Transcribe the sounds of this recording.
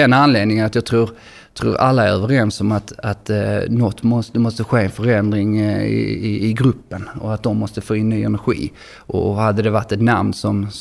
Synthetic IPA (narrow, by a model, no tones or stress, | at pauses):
ɛnanleːd̪nɪŋənat̪jɑːɡ̚t̪ʰɾuːɾ | t̪ʰɾṵːɾa̰lːaæɾœːvəɾɛnsɔmat̪at̪nɔt̪ːmɔst̪əmɔst̪əɧeːɛnfœɾɛnd̪ɾɪŋɪ̰ɪɪɡɾɵpːənɔat̪̚d̪ɔmːɔst̪əfoːɪnːyːɛnæɾɧḭː | ʔɔ̰had̪ːəd̪ɛvaʈːɛt̪namnsɔm